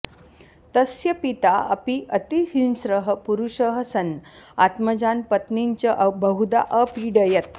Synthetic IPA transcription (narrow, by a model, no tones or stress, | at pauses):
t̪əsjəpit̪aə̰piʔət̪isinsɾəɦəpuɾuʂəɦəsənat̪məd͡ʑanpət̪niɲt͡ɕəʔbəɦud̪a̰ʔəpiɖəjət̪̚